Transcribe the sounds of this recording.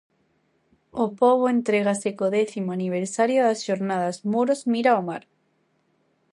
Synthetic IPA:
opoβoẽnt̪ɾeɣ̞asekoðeθimoaniβ̞eɾsaɾjoðasʃoɾnaðazmuɾozmiɾaomaɾ

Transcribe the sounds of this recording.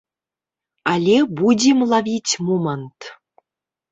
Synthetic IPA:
ɑlʲebudʲemlˠɑvʲitʲmumɑnt̪

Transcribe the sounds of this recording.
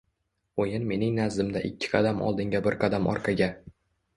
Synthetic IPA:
ojɪnme̞nɪŋnazɪmd̪aʔɪkʲʰːɪ̥qʰɑd̪amɒ̰lˠd̪ɪŋɡʲabɪɾqʰɑd̪amɒ̰ɾqʰɑɡʲa

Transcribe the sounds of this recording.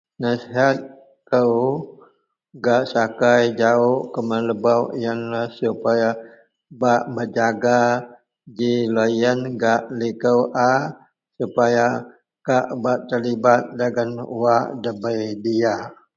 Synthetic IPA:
nasiɦat̪̚ | kəw | ɡaʔsakajd͡ʒaoʔkəmələbawʔjanlahsupaja | baʔbəd͡ʒaɡa | d͡ʒilojənɡaʔlikəwʔa | supaja | kaʔbaʔt̪ərlibat̪̚dəɡanuwaʔdəbəjdia

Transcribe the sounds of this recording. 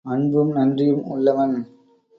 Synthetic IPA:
ɐɳbɯmnɐndrɪjɯmʊ̰lːɐʋɐn

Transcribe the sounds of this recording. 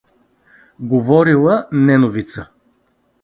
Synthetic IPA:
ɡovɔɾilˠənɛnovit̪sə

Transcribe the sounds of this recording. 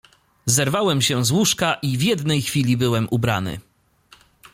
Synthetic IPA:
zɛɾvawɛmɕɛzwuʂkaʔivjɛd̪nɛjxfʲilʲibɘwɛmʔubɾa̰nɘ̰

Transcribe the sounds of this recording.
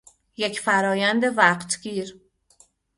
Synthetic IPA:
jecʰfæɾɒːjænd̪e̞væqt̪ɡiːɾ

